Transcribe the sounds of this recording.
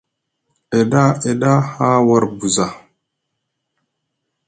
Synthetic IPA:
e˨da˦e˨ɗa˦ha˦wa˦ɾbu˨za˨

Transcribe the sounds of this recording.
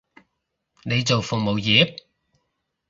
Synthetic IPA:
ne˨˧jt͡so˨wfʊ˨k̚mo˨wjiː˨˥p̚

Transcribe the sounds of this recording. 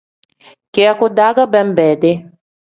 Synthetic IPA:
kea˦kud̪a˦ɡa˦bɛ˦mbɛ˨d̪e˦

